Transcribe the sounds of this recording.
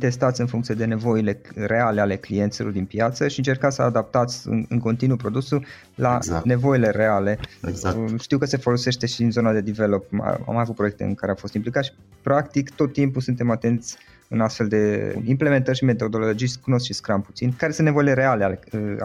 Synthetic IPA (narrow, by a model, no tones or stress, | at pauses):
t̪e̞st̪at̪sʲɨnfuŋkt̪sije̞d̪e̞ne̞vo̞ile̞re̞ale̞ale̞klije̞nt̪silo̞rd̪inpjat̪səʃiɨnt͡ʃe̞rkat̪səad̪ap̚t̪at̪sʲɨ̰nko̞nt̪inupɾo̞d̪usu | lane̞vo̞ile̞ɾe̞ale̞ | ʃt̪iwkəse̞fo̞lo̞se̞ʃt̪e̞ʃiinzo̞nad̪e̞d̪ive̞lo̞pa̰a̰majavut̪̚pɾo̞jek̚t̪eɨ̰nkaɾeamfo̞st̪implikat̪ʃi̥ | pɾakt̪ikt̪o̞t̪ːimpusunt̪e̞mat̪e̞nt̪sʲ | ɨnast̪fe̞ld̪e̞imple̞ment̪ərʃime̞t̪o̞d̪o̞lolo̞d͡ʒikuno̞skʃiskɾampu̥t̪sinkaɾesɨnevoile̞ɾe̞ale̞alḛ